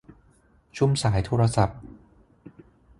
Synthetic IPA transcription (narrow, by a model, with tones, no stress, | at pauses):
t͡ɕʰu˥˩˨msaː˩˦jt̪ʰoː˧ɾa˧sa˨˩p̚